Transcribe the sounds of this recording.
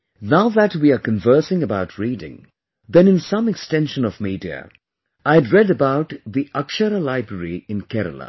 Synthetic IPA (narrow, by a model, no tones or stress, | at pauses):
naʊðætwiakə̃ɱvɜ˞sɪ̃ŋəbaʊtʰɹidɪ̰̃ŋ | ðɨ̃nɨ̃nsʌ̃mɨkstɛ̃nʃə̃nɔvmidiə̰ | aɪɨdɹɛdəbaʊt̪ðiʔʌkʃəɾəlaɪbɹəɹiɨ̃nkʰɛɾə̰lə̰̃